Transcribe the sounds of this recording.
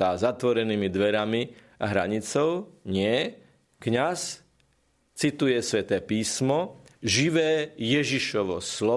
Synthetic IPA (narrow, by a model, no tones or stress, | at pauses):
aːzat̪ʋɔɾɛniːmid̪ʋɛɾami | a̰ɦɾa̰ɲit͡sɔʊɲɪɛ | kɲas | t͡sit̪ujɛsʋɛt̪ɛːpiːsmɔ | ʒiʋɛːjɛʒiʃɔʋɔ̰slɔ